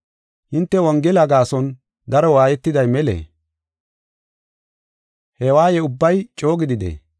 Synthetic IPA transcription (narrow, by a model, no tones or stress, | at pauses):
hɪnt̪ːɛwɐŋɡɛlɐɡaːsɔn | d̪ɐɾɔwaːjɛt̪ːɪd̪ɐjmɛlḛː | hɛwaːjɛʊbːɐjt͡ʃʼo̞ːɡɪd̪ɪd̪ḛː